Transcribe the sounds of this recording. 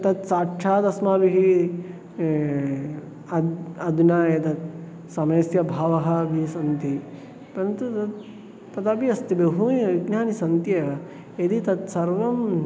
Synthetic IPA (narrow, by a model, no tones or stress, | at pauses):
t̪ɐt̪saːʈʂʰaːt̪ɐsmaːbiɦi | ɐɐd̪unaːjɐt̪ɐt̪ | sɐmɐjsjɐbʱaːʋɐɦɐ̆bʱisɐnt̪i | pɐɾɐnt̪ut̪ɐt̪ | pɐt̪ɐbiɐst̪ibeɦuʋiɡnaːnisɐnt̪jɐːʋɐ | ed̪it̪ɐt̪sɐɾʋɐm